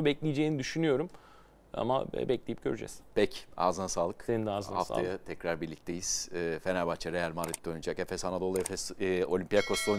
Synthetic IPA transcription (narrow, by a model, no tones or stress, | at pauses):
ubɛclʲijd͡ʒeːinid̪yʃynyjo̞ɾum | a̰ma̰bɛclʲejip̚ɟ̥øɾyd͡ʒɛ̰z̥pʰɛca̰ːzɯnasaːlˠɯksenind̪aːzɯnhafsta̰ajat̪ʰɛcɾaɾbiɾlʲic̚t̪ʰe̞jiz̥ːfe̞næɾbat͡ʃʰaɾejælʲmaɾit̪̚d̪ojnud͡ʒakefɛshanad̪o̞lˠefɛso̞lʲimpijakʰoslˠo